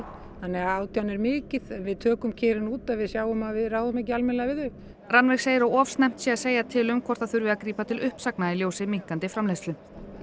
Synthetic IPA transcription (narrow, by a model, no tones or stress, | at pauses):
θanːɛɣaaːwt̪ʰjanɛɾmɪːcɪðɛnvɪðt̪ʰœːkʏmcʰɛːɾɪnuːt̪avɪðsjaːwʏmaðvɪðraːwðʏmɛhc̬ɪalmɪnlɛavɪðʏ | ranvɛseːjɪɾawɔfst̪nɛm̥t̪sjɛaseːjat̪ʰɪlʏmkʰvɔ̥t̪aðθʏɾvɪakɾiːpat̪ʰɪlʏhpsaknailjowsɪmiŋ̥kant̪ɪfɾamlejst̪lʏ